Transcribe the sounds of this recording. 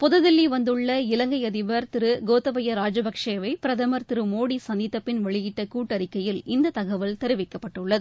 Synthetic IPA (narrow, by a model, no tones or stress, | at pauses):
pʊðɐðɪlːiʋɐnd̪ɯɭːɐɪlɐŋɡɐɪɐðɪʋɐɾt̪ɪɾɯɡoːt̪ːɐʋɐjɐɾaːd͡ʒɐbɐkʂeːʋɐɪpɪɾɐðɐmɐɾt̪ɪɾɯmoːɽisɐnd̪ɪt̪ːɐpːɪnʋɛɭɪjɪʈːɐkuːʈːɐɾɪkːɐjɪlɪnd̪ɐt̪ɐɣɐʋɐlt̪ɛɾɯʋɪkːɐpːɐʈːɯɭːɐðɯ